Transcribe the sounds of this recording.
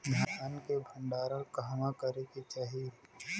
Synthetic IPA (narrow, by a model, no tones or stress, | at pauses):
dʱaːankebʱə̃ɳɖaːɾakaɦmakəɾekit͡ʃaːɦi